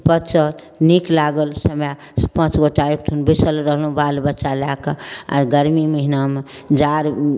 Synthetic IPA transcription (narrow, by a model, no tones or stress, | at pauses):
pət͡ʃəl | niklaɡəlsəmja | pə̃t͡ʃɡoʈajukt̪ʰunbisəlɾəɦlũbalbətːʃalakəa̰ɾɡəɾmiməɦiname | d͡ʒaɾ